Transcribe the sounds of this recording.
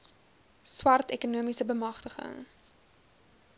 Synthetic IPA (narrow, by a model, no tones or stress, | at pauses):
swɐrtɛkunuəmisəbəmɐχtəχə̰ŋ